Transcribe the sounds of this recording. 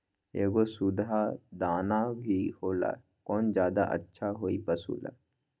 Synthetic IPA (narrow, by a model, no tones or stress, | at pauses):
eːɡosud̪ad̪aːnabʱihoːla̰ | kɔːnd͡ʒjaːd̪a̰ʔə̰tːʃʰaɦoːipɐsṵːla̰